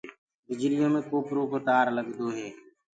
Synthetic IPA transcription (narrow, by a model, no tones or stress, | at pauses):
bɪd͡ʒɾɪjõːmẽːkoːpɾoːpəʈaːɾləɡd̪oːɦeː